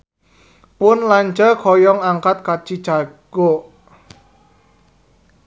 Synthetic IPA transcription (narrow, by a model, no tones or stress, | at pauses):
pʊnlaɲt͡ʃəkʰɔjɔŋaŋkat̪̚kat͡ʃid̥ʒ̥aɡ̥oʔ